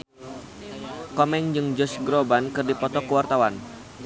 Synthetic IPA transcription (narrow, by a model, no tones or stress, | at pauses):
kɔmɛŋd͡ʒɨŋd͡ʒɔsɡɾobankɨrdipɔt̪ɔkəwart̪awan